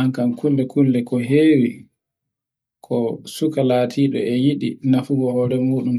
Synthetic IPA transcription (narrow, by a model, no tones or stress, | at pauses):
aŋkankʰulːɛkulːɛkɔɦeːwi | kʰɔsukalaːtʰiːɗɔ̰ɛjiɗḭnafuɡɔhɔːɾɛmuːɗum